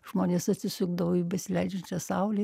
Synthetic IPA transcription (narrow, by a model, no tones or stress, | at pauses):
ʒmoːnʲeːsɐt̪ʲsʲɪsʲʊɡd̪ɐʋoːiːbʲɛsʲɪlʲɛɪd͡ʒʲɛnʲt͡ʃʲɛsɑʊlʲe